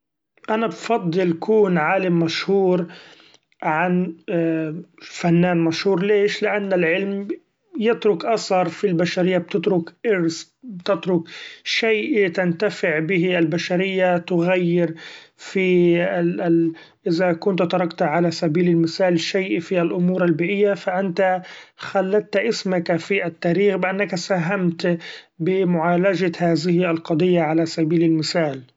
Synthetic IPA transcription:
ʔanabfɑd̪ˤːɨlkʰuːnʕaːlɪmːaʃhuːɾ | ʕan | fanːaːnmaʃhuːɾleːʃlɪʔanːɪlʕɪlm | jɪt̪ɾʊkʔasɑɾˤfilbaʃaɾɪjːab̚t̪ɪt̪ɾʊkʔɪɾs | bt̪ɪt̪ɾʊkʃeːʔɪit̪ant̪afɪʕbɪɦiɪlbaʃaɾɪjːat̪ʊɣajːɪɾfi | ʔɪzakʊnt̪t̪ɑɾˤɑkt̪aʕalasabiːlalmɪθaːlʃajʔfialʔʊmuːɾalbiːʔɪjːafaʔant̪axalːat̪ːʔɪsmakafiʔat̪ːaːɾiːxbɪʔanːakasaɦamt̪bɪmʊʕaːlad͡ʒahaːðɪhɪalqɑd̪ˤɨjːaʕalasabiːlɪlmɪθaːl

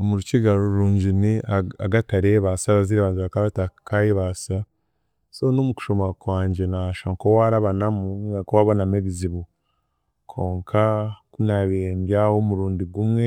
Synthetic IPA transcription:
omuɾuciɡaɾuɾuːɲɟiniaaɡataɾeːβasaβaziɾeβaːziβakaβatakajeβasa | sonomuku̥ʃomakwaːɲɟe̞naʃaŋkowaɾaβanamuɡakowaβanameβiziβu | kʰo̞ːŋkʰakunaβembjahomuɾuːndiɡumŋe

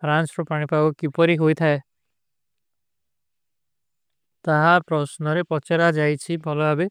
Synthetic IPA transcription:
pʰɾansɾɔpaɽ̃ipaɡɔkipɔɾiɦojt̪ʰae | t̪aɦapɾɔsnɔɾepɔt͡ʃeɾad͡ʒajt͡ʃʰibʱɔlɔabe

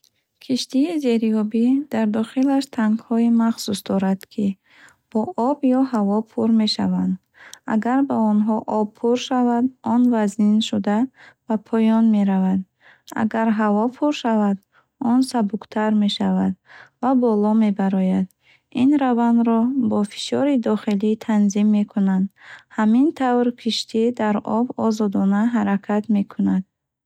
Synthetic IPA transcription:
kʰiʃt̪iːze̞ɾiɔbid̪̥aɾd̪ɔχilaʃt̪ʰaŋɡhɔimaχsusd̪ɔɾad̪̥kʰi | b̥ɔʔɔbjɔɦavɔpʰuɾme̞ʃavand̪ | a̰ɡaɾbaɔnɦɔʔɔbpʰuɾʃavad̪ɔnvazninʃud̪abapʰɔjɔnme̞ɾavad̪ | a̰ɡaɾɦavɔpʰuɾʃavad̪ | ɔnsabukt̪ʰaɾme̞ʃavad̪vabɔlɔme̞baɾɔjad̪ | inɾavand̪ɾɔbɔfi̥ʃɔɾid̪ɔχilit̪ʰanzimːe̞kʰunand̪hamint̪ʰavɾkʰiʃt̪ʰid̪aɾɔ̰bɔzɔd̪ɔnaɦaɾakʰat̪me̞kʰunad̪̥̚

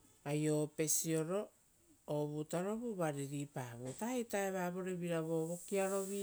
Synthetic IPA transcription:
ajope̞sio̞ɾo̞ | oβutaɾo̞βuβaɾiɾipaːβutahetaeβaːβo̞ɾeβiɾaβo̞βokiaɾo̞βi

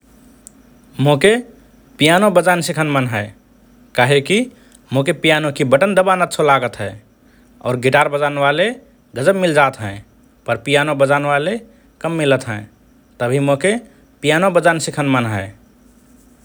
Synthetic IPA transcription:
moke | pijanobəd͡ʒaːnsikʰənmənɦɛe | kaɦeki | mokepijanokibəʈənd̪əbanət̪t͡ʃʰolaɡət̪ɦɛ | ɔ̰ːɾɡiʈaːɾbəd͡ʒaneʋale | ɡəd͡ʒəbmɪld͡ʒaːt̪ɦɛ̰̃ː | pəɾpijanobəd͡ʒaːneʋale | kəmːilət̪ɦɛ̃ | t̪əbʱimoke | pijanobəd͡ʒaːnsikʰənmənɦɛ

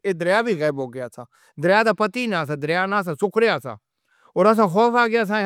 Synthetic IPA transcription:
eːd̪əɾjaːbʱiːɣɛːboːɡɪjaːsãː | d̪əɾɪjaːd̪aːpət̪iːnãːs̬ãːd̪ɾɪjaːnãːs̬ãːsʊkʰɾejaːsã̰ː | oːɾəs̬ãːxɔːfaːɡjaːs̬ãː

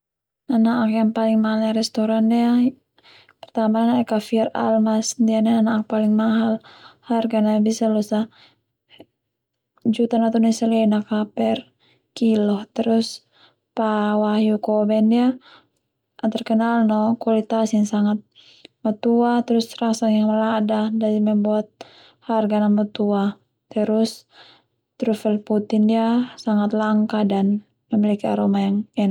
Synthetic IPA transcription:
anaʔakjaŋpaliŋmaɦalnaɾɛst̪ɔɾandɛa | pɛrt̪amananaɛkafiara̰lmasdianaanaːk̚paliŋmaɦalharɡanabisalɔsa | d͡ʒut̪anat̪unɛsɛlɛnakapɛr | kilɔht̪ɛɾus | pawahjukɔbɛndia | ʔat̪arkɛnalnɔkualit̪asinsaŋat̪̚ | mat̪uat̪ɛɾusrasaŋjaŋmaladadadimɛmbuat̪̚ | harɡanamat̪ua | t̪ɛɾus | t̪ɾufɛlput̪indiasaŋat̪laŋkadan | mɛmilikia̰ɾɔmajaŋɛna

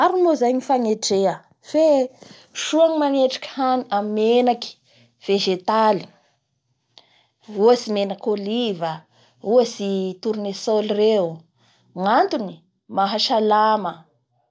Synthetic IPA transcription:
aɾimozajɲifaŋeʈ͡ʂeə | fe | ʃuaŋimaneʈ͡ʂḁkə̥haniammenaki̥ | v̥eʒet̪ali | uasimenakolivə | uasit̪uɾunesolire | ŋant̪uni | maɦaʃalamə

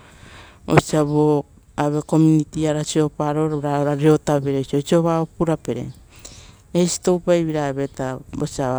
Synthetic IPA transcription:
o̰siaβo | aβe̞ko̞munitiaɾasio̞paɾoɾɾaɾaɾio̞taβeɾeosiosioβaopuɾape̞ɾḛ | ejsi̥to̞wpajβiɾaːβe̞tabosia

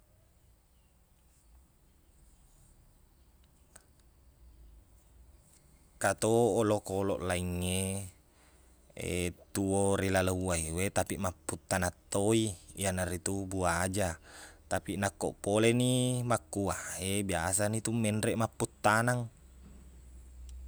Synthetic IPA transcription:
kat̪oʔːlokolɔ̰ʔlaiŋːe | ḛt̪uoɾilalouaiwet̪apiʔmapːut̪ːanat̪ːoijanarit̪ubuad͡ʒat̪apinakːoʔpolenimakːuaebiasanit̪umːɛndɾɛʔmapːut̪ːanaŋ

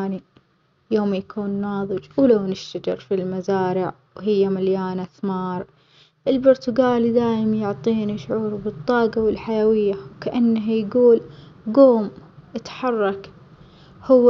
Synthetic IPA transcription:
ni | joːmjakʰuːnːɑːðˤɨd͡ʒwlawnɪʃt̪ad͡ʒɪ̰ɾfilmazaːɾɪʕ | wɦɪjːamaljaːnaθmɑːɾˤ | ʔɪlbʊɾt̪ʊɡaːlid̪aːjɪmanjʊʕt̪ˤiːniʃʊʕuːɾbɨt̪ˤːɑːɡɑwɪlħajawɪjːawkaʔanːaɦjɡuːl | ɡoːmʔɪt̪ħɑrˤːɑk | hʊwː

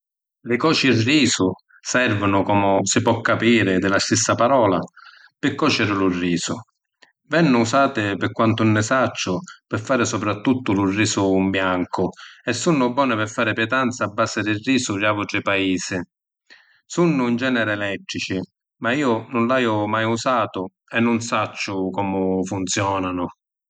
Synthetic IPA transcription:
lɪkɔːt͡ʃirːiːsʊ | sɛrvʊnʊkɔmʊsɪpɔkːapiːɾɪd̪ɪlast̪isːapaɾɔːla̰ | pɪkːɔːt͡ʃɛɾɪlʊrːiːsʊ | vɛnːʊusaːt̪ɪpɪkːwant̪ʊnːɪsat͡ʃːʊpɪfːaːɾɪsɔpɾat̪ːut̪ːʊlʊrːiːsʊmbjaŋkʊɛsːunːʊbːɔːnɪpɪfːaːɾɪpjɛt̪ant̪saːbːaːsɪd̪ɪriːsʊraːvʊʈɾɪpaiːsɪ | sunːʊind͡ʒɛːnɛɾɪɛlɛt̪ːɾit͡ʃɪ | maiːʊnʊnlajʊmajusaːt̪ʊ | ɛnːʊnsat͡ʃːʊkɔːmʊfunt̪sjɔːnanʊ

